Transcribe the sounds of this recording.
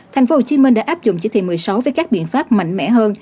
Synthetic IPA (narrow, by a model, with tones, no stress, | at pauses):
t̪ʰa˨˩j̟fo˨˦ho˨˩t͡ɕi˧˦mï˧ŋ̟ɗa̰ː˧˥ʔːp̚zʊ̰˧˨ŋ͡mt͡ɕi˧˩t̪ʰḭ˧˩mɨ˨˩əjsa˨˦wvəː˨˦jkaː˦˥k̚ɓḭ˧˨ənfaː˦˥p̚ma̰˧˨jŋ̟mɛ̰˧˥ɦəː˧n